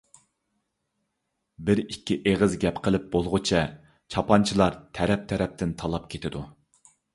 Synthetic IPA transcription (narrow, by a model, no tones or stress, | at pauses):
bɪɾikʲːiʔeʁəzɡʲɛpqʰəlˠɪp̚bolˠʁʊt͡ʃʰɛ | t͡ʃʰɑpʰɑnt͡ʃʰilˠɑɾt̪ʰɛɾɛp̚t̪ʰɛɾɛp̚t̪ʰɪnt̪ʰɑlˠɑp̚kʲʰet̪ʰɪd̪u